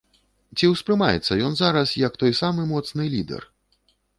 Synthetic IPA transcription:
t͡sʲiwspɾɨmajɛ̰t̪sːɐjɔnzaɾɐsjɐkt̪ɔjsamɨmɔt̪snɨlʲid̪ɛ̰r

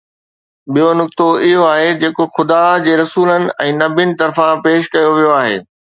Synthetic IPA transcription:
bijonʊk̚t̪oɪɦoaːɦed͡ʑeːkoxʊd̪aːd͡ʑeːɾɐsuːlənɪ̆ʔɛ̃ːnɐbɪənɪ̆t̪ɐɾfãpeːʃkɐjoʋijoaːɦḛː

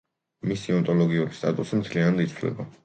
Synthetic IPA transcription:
misiɔnt̪ʼɔlɔɡiuɾist̪ʼa̰t̪ʼusimt̪ʰlianad̪it̪sʰvlɛ̰ba

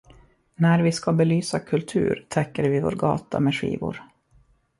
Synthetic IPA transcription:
næɾvɪskabɛlyːsakʰɵlt̪ʰʉ̟̰ːɾt̪ʰɛkːəɾvɪvo̰ːɾɡɑ̰ːt̪a̰mɛɧḭːvʊɾ

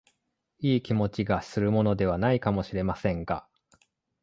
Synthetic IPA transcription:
iːkʲimo̞t͡ɕiɡasɨɾɯ̟mo̞no̞d̪e̞β̞anaikamo̞ɕiɾe̞masẽ̞ŋɡa̰

